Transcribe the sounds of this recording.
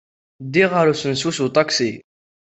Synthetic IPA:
d̪iʁəɾusənsusut̪ˤɑksi

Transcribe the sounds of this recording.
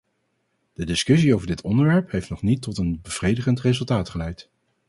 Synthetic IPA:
d̥ədɪskɵs̬iowvəɹdɪtɔndəɹʋɛɹpɦejftnɔχnitːɔtənbəv̥rejdəχəntrezɵlˠtaːtχəlɛjt

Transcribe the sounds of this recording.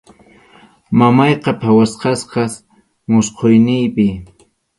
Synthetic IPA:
mamɑjqɑpʰawasqɑsqɑs | mʊsqʰojnɪjpɪ

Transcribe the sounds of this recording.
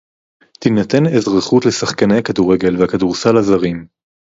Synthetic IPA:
t̪inat̪e̞nezʁaχutlesaχkanejakaduʁe̞ɡe̞lveakaduʁsalazaʁim

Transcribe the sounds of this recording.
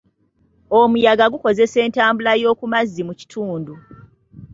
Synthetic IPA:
omujaɡaɡuko̞ze̞se̞ːntaːmbulajo̞ːkumazːimuci̥tʰuːndu

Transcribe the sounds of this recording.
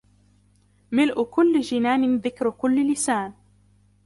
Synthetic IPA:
mɪlʔʊkʊlːd͡ʒɪnaːnɪðɪkɾkʊlːlɪsaːn

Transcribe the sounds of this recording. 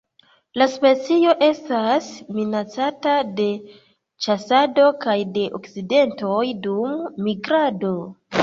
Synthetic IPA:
laspe̞t͡sio̞ʔe̞stasminat͡satade̞ | t͡ʃasado̞kajde̞ʔo̰kt͡side̞nto̞jdumːiɡɾado̞

